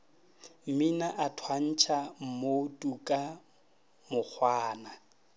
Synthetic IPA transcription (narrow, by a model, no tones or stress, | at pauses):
m̩minaʔatʰwan̩t͡ʃʰam̩motʼukʼa | mʊk͡xʰwaːna